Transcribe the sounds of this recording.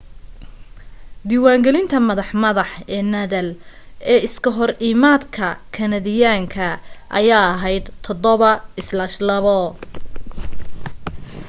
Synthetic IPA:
d̪iːwaːŋɡɛlɪnt̪ʰɐmɐðɑħmɐðɑħɛːnɐðɐl | ɛːɪskʰɐɦɔriːmaːd̪kʰɐkʰɐnɐðɪjaːŋkʰɐʔɐjaːɐɦɛjd̪t̪ʰɔd̪ɔβɐɪslɐʃlɐβɔ

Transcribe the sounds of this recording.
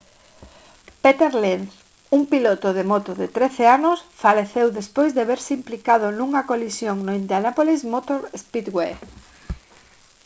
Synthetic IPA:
pet̪eɾlenθ | uŋpilot̪ʊðemot̪oðɪt̪ɾeθeanʊsfaleθewðespojzðeβeɾsɪimplikað̞ʊnuŋɐkolisjoŋnoind̪anapolismot̪oɾespit̪ɡwe

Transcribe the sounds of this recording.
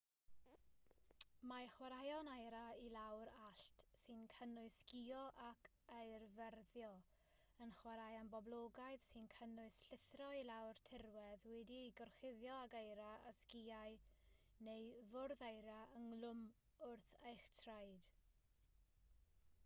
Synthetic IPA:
maχwaɾajɔnajɾailˠawɾaɬtsɨnkʰənʊɨskiɔʔakʰ | aɨrvɛrðjɔ | ənχwaɾajanbɔblˠoːɡajðsɨnkʰənʊɨsɬɪθrɔilawrtʰɪrwɛðwɛdiɡɔrχɪðjɔaɡajɾaa̰skiaɨ | nejvʊrðajɾaəŋlˠʊm | ʊrθejχtʰrajd̥

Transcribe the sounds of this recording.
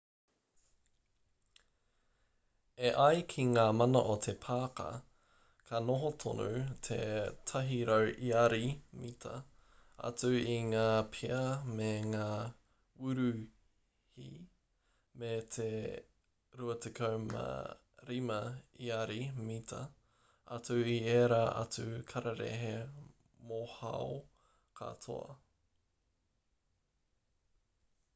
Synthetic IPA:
eʔɐjkʰiŋaːmɐnɐ̰ʔot̪ʰe̞pʰaːkɐ̰ | kʰɐnoɦot̪ʰo̰nut̪ʰḛt̪ʰɐɦiɾowʔiɐɾimitʰɐ̰ɐ̰t͡sʉiŋaːpʰeɐmeŋaː | ʉɾʉ | hi | met̪ʰe | ɾuɐt̪ʰekʰɐwmɐ̰ | ɾimɐiɐɾimitʰɐ | ɐ̰t͡sʉieːɾaːʔɐ̰t͡sʉkʰɐɾɐɾḛɦe | mohɐ̰o | kʰɐ̰t̪ʰo̰ɐ̰

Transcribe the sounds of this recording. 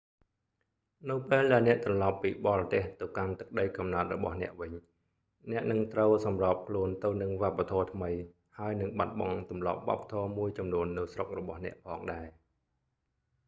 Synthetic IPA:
nɨwpeːlɗaɛlnɛ̆əʔt̪rɑlɑpːiːɓɑːrɑt̪eːht̪ɨwkant̪ɨk̚ɗəjkɑmnaət̪̚rɔɓɑ̰hnɛ̆əʔʋɨɲ | nɛ̆əʔnɨŋt̪rəwsɑmrɑːp̚kʰluənt̪ɨwnɨŋʋŏəpːat̪ʰɔːt̪ʰməj | haəjnɨŋɓat̪̚ɓɑŋt̪umlɑ̰p̚ʋŏəpːḁt̪ʰɔːmuəjt͡ɕɑmnuənːɨwsrok̚rɔɓɑhnɛ̆əʔpʰɑːŋɗaɛ

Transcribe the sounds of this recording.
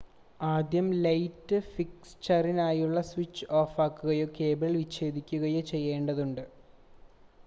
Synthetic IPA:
aːd̪jɐmlɐjtːɨfikst͡ɕɐrinaːjuɭːɐswit͡ɕːɨo̞ːfaːkːuɣɐjoːke̞ːbrɐlʋiɕe̞ːd̪ʱikʲːuɣɐjo̞ːt͡ɕe̞jːe̞ːɳɖɐðuɳɖɨ

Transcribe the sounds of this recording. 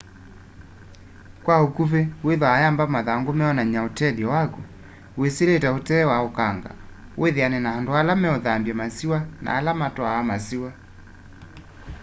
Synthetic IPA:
kwaokuβeweðwaajambamaðaŋɡomɛɔnaɲaotɛliɔwaku | weseletaotɛːwaokaŋɡa̰weðeanɛnahandoalamɛɔðambjamasiwana̰ːlamatɔawamasiwa

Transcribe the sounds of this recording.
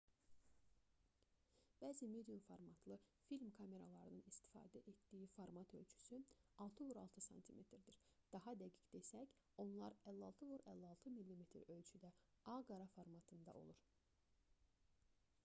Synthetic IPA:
b̥æːzimed̪ijumfoɾmɑt̪ʰlˠɯfilmkʰɑme̞ɾɑlˠɑɾɯnɯnist̪i̥fɑ̰ːd̪æʔet̪d̪̥ijifoɾmɑt̪ʰø̞lʲt͡ʃʰy̥syɑlˠt̪ʰɯvoɾɑ̰lˠt̪ʰɯsɑ̰nt̪ʰimʔe̞t̪ʰɾd̪iɾd̪̥ɑɦɑd̪æɡicd̪e̞sæc | o̞nlˠɑɾælːɑlˠt̪ʰɯvuɾʔælːɑlˠt̪ʰɯmilʲːimet̪ʰɾø̞lt͡ʃʰyd̪æ | ɑɡɑɾɑfoɾmɑt̪ʰɯnd̪ɑ̰ʔo̞̰lˠuɾ

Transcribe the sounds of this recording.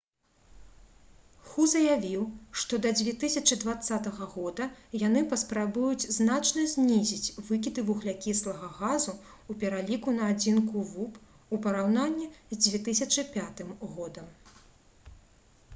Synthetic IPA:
xuzɐjavʲiwʂt̪ɔd̪ɐd͡zʲvʲɛt̪ɨsʲɐt͡ʂɨd̪vat̪sːat̪ɐɣɐɣɔd̪ɐjan̪ɨpɐspɾabujud͡zʲznat͡ʂnɐzʲnʲizʲit͡sʲvɨkʲit̪ɨvuɣlʲakʲislˠɐɣɐɣazu | upʲɛɾalʲikunɐːd͡zʲinkuvup | upɐɾawnanʲːizʲd͡zʲvʲɛt̪ɨsʲɐt͡ʂɨpʲat̪ɨmɣɔd̪ɐm

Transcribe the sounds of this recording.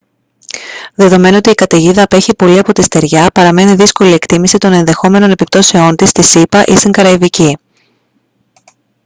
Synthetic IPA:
ðe̞ðo̞me̞noo̞t̪iːkɐt̪e̞ʝiðɐːpe̞çipo̞liɐpo̞t̪ist̪e̞ɾʝɐpɐɾɐme̞niðisko̞lie̞kt̪imisit̪o̞ne̞nðe̞xo̞me̞no̞ne̞pip̚t̪o̞se̞o̞nt̪ist̪isipɐʔist̪iŋɡɐɾɐivici

